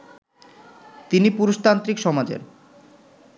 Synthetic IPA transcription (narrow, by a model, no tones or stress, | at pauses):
t̪inipuɾoʃt̪ant̪ɾikʃɔmad͡ʑḛɾ